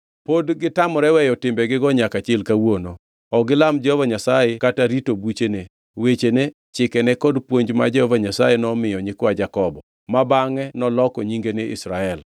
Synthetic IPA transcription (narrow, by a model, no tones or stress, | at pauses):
podɡɪtamɔɾɛwɛjɔtɪmbɛɡɪɡɔɲakat͡ʃelkawono | ɔɡɪlamd͡ʒɛhovaɲasajekataɾitobut͡ʃene | wet͡ʃene | t͡ʃɪkɛnɛkɔdpwoɲd͡ʒma̰d͡ʒɛhovaɲasajenɔmɪjɔɲɪkwad͡ʒakɔbɔ | mabaŋɛnɔlɔkɔɲiŋɡenɪʔɪ̰sɾaɛl